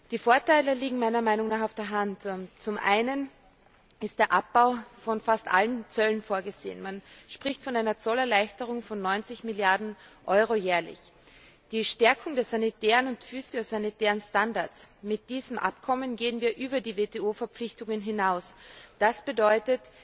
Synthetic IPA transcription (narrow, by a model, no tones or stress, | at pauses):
d̥iːfoːɐtaɪləliːɡŋ̩maɪnɐmaɪnʊŋnaːχaʊfd̥eːɐɦantt͡sʊmʔa̰ɪnən | ʔɪst̚d̥eːɐʔap̚b̥aʊfɔnfastʔa̰lənt͡sœlənfoːɐɡəz̥eːə̰nmanʃpʁ̥ɪçtfɔnaɪnɐt͡sɔlɛɐlaɪçtəʁʊŋfɔnːɔʏnt͡sɪçmɪljaɐdn̩ | ʔɔʏʁ̞ojɛːɐlɪ̰ç | d̥iːʃtɛɐkʰʊŋdɛːɐsz̥anitɛːʁənʊntfyːzjozanitɛːʁənstandaɐtt͡smɪt̚d̥iːzəmʔa̰p̚kʰɔmənɡeːənviːɐʔyːbɐdiːveːteːoːfɛɐpp͡flɪçtʊŋənɦɪnaʊsd̥asb̥ədɔʏtət